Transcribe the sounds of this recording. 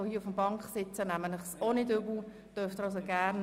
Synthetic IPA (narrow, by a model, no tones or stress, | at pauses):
ohiəʊfəmbɑŋkχsɪt͡sənæmənləχsonɪdʏbl̩ | d̥œɾft̪ɾɑʊs̬oɡæːɾn